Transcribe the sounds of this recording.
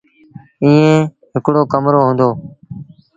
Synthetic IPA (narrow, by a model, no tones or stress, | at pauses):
ĩːẽː | ɦɪkɽoːkəmɾoːɦõːnd̪oː